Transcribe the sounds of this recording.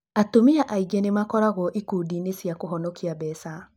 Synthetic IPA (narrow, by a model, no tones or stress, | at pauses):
atomiaʔaiɡɛnemakɔɾaɣɔʔikuːdiːnesjakoɦɔnɔkiaβɛsa